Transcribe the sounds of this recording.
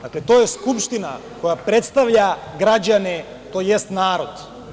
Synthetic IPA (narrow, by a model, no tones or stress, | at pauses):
aklɛt̪ɔɛskupʃt̪ina̰ | kojapɾɛt̪st̪avʎaɡɾaɟanɛ | t̪ojjɛst̪naɾɔt̪